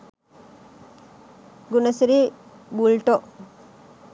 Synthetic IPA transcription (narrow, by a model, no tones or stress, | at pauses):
ɡunɐsiɾi | bulʈo